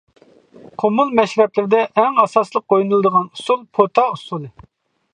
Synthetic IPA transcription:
qʰomulˠmɛʃɾɛplɪɾɪd̪ɛʔɛŋɑsɑslˠəq̚ːojunɨlˠɨd̪əʁɑnusulˠpʰot̪ʰɑusulˠɨ

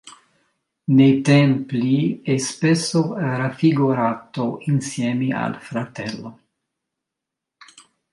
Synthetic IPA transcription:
net̪empliespesoɾafiɡuɾaːt̪oinsjemia̰lfɾat̪elːo

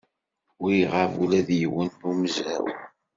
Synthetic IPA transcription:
ʊʁəvulæðjəwəntumzæ̰w

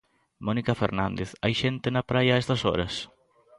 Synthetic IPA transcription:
mɔnikafḛɾnãnd̪eθajʃent̪enɐpɾajɐaɛst̪ɐsɔ̰ɾɐs

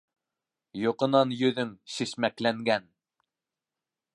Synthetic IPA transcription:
jŏqɤ̆nɑnjɵ̆ðɵŋʃɘ̆ʃmæklæŋɡæn

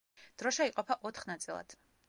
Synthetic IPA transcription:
d̪̥ɾɔʃɛiqʼɔpʰaʔɔt̪ʰχnat̪sʼilˠa̰d̪̥

